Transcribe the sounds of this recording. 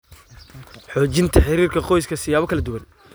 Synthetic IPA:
ħɔːt͡ʃɪnt̪ʰɐħɪɾiːrkʰɐqɔjskʰɐsɪjaːβɔkʰɐlɐd̪ʊwɐn

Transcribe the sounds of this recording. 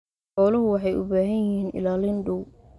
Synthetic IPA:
ħɔːlɐɦʊwɑħɑjʔʊ̰baːɦɐnjɪhiːnɪ̰laːlɪnɖʊw

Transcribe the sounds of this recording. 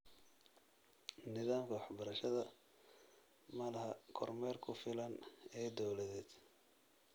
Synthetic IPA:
nɪðaːmkʰɐwɑħbɐɾɐʃɐðɐ | mɐlɐhɐkʰɔrmɛːrkʰʊfɪlɐnɛːd̪ɔwlɐðɛːd̪̥

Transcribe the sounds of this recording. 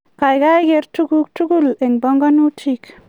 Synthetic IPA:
kajɡajɡeɾtuɡuk̚tuɡuleŋbɔŋɡɔnutʰik

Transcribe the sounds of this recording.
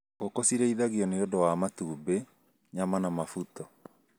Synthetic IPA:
kokosiɾɛiðaɣiɔneodɔwamatube | ɲamanamafutɔ

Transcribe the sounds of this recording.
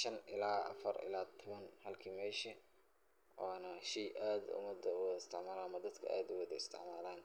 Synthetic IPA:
ʃɐnʔɪlaːʔɐ̰fɐrɪ̰laːt̪ʰʊβɐnhɐlkʰiːmɛːʃɐ | waːnɐʃɛjʔaːd̪ʊ̰mɐd̪ɐwɔðɐɪst̪ʰɪ̰ʕmaːlamɐd̪ɐd̪kʰɐʔaːd̪ʊwɑðɐɪst̪ʰɪ̰ʕmaːlaːn

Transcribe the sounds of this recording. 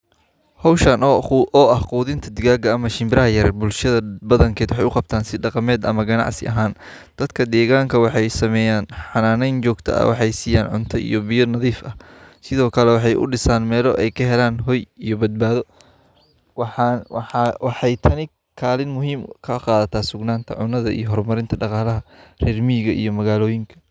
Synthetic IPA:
hɔwʃɐnʔɔːʔɐhquːðɪnt̪ʰɐd̪ɪɣaːɡɐːmɐʃɪmbɪɾɐɦɐjɐɾɛbʊlʃɐðɐbɐðɐŋkʰɛːd̪wɑħɑjʊqɑb̚t̪ʰaːnsɪɖɑqɑmɛːd̪ɐ̰mɐɡɐnɑ̰ʕsɪ̰ʔɐɦaːn | d̪̥ɐd̪kʰɐd̪ɛːɣaːŋkʰɐwɑħɑjsɐmɛːjaːnħɑnaːnɛjnt͡ʃɔːɡt̪ʰɐ̰ɐ̰wɑ̰ħɑjsiːjaːnʕʊ̰nt̪ʰɔʔḭjɔbɪjʊnɐðiːfɐhsɪðɔːkʰɐlɛwɑħɑjʔʊ̰ɖɪsaːnmɛːlɔʔɛjkʰɐɦɛlaːnɦɔjijɔbɐd̪̚baːðɔ | w | wɑħɑjt̪ʰɐnɪ | kʰaːlɪnmʊɦiːmkʰɐqɑːðɐt̪ʰaːsʊɡnaːnt̪ʰɐ̰ʕʊnɐðɐ̰ʔḭjɔɦɔrmɐɾɪnt̪ʰɐɖɑqɑːlɐɦɐrɛːrmiːɣɐʔḭjɔmɐɣaːlɔːjɪŋkʰɐ̥

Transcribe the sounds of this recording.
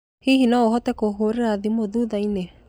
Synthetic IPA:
hiɦinɔoɦɔtɛkoɦoɾeɾaðimoðuðaine

